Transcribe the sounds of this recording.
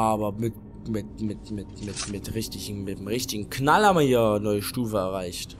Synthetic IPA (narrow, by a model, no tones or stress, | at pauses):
aːbɐmɪt | mɪtmɪtmɪtmɪtmɪtʁɪçtɪçn̩mɪtmʁɪçtɪɡŋ̩kʰnalhaːmmɐhiːɐnɔʏəʃtuːfəɛɐʁaɪçt